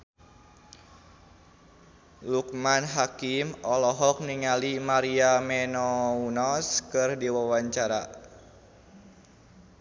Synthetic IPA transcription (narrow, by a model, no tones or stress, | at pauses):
luk̚manɦakimɔlɔɦɔk̚niŋalimaɾiamɛnɔunɔskɨrdiwawaɲt͡ʃaɾa